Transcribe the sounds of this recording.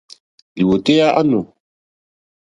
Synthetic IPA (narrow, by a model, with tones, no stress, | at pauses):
bi˨wo˨te˦ja˦ʔa˦no˨